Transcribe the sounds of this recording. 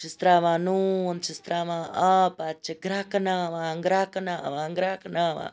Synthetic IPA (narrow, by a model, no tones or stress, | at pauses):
t͡ʃist̪ɾaʋanunt͡ʃist̪ɾaʋaʔapat͡ʃəɡɾaknaʋãŋɡɾakɐnaʔaʋaŋɡɾaknaʋa̰